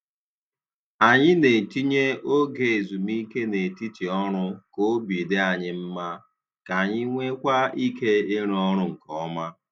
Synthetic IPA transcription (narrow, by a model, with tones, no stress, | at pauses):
a˨ɲɪ˦ne˨ti˦ɲe˦o˦ɡe˨e˨zu˨mi˦ke˦ne˨ti˦ti˨ɔ˦ɾʊ˦ko˦bi˨de˦a˨ɲɪ˦m̩˦ma˦ | ka˨ɲɪ˦ŋʷe˦kʷa˦i˦ke˦e˦ɾɔ˦ɾʊ˦ŋ̩˨kɔ˦ma˦